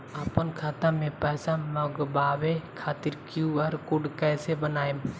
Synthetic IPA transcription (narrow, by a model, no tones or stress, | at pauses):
aːpənkʰaːt̪ãmẽpɛːsaməɡbaːwekʰaːt̪ɪɾkjuəɾkʊɖkɛːsebənaːjm